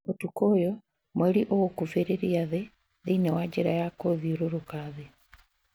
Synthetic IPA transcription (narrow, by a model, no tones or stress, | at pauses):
otukojo | mweliʔowokufeɾeɾijaðe | ðinewaɟeɾajakoðioɾoɾukaðe